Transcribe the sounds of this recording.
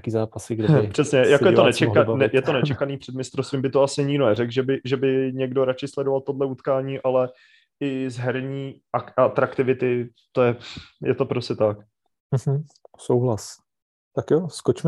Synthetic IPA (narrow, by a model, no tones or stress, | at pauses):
akiːzaːpasɪɡdɛbpr̝̥ɛsɲɛjakojɛt̪onɛt͡ʃɛanɛjɛt̪onɛt͡ʃɛkaniːpr̥ɛd̪mɪst̪ɾost̪vimbɪt̪oasɪɲɪɡdonɛrɛɡʒɛbɪʒɛbɪɲɛɡdo̞ɾat͡ʃɪslɛdo̞valt̪o̞dlɛut̪kaːɲiːʔalɛ | ɪzɦɛɾɲiː | aat̪ɾakt̪ɪvɪt̪ɪ | t̪o̞jɛjɛt̪o̞pɾoscɛt̪ak | m̩ɦm̩ | sowɦlas | t̪akjoskot͡ʃmɛ